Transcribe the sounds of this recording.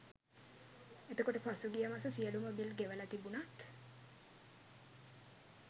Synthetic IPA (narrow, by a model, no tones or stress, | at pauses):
et̪əkoʈəpasuɡijəmasəsiəlumobilɡeʋəlat̪ibunat̪